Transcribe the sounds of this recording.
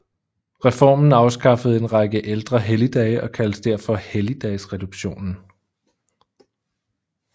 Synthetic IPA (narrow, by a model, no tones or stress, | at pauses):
ʁɛfɒ̰ːmn̩ɑ̈ʊsɡ̥ɑ̈fəð̞̩ˠe̝nʁɑ̈ɡ̥əʔeld̥ʁɐɦelid̥ɛɪʔɒ̽kʰæl̥sd̥eɐ̰fɒ̽helid̥ɛɪsʁɛd̥uɡ̥ɕo̝̰ːnn̩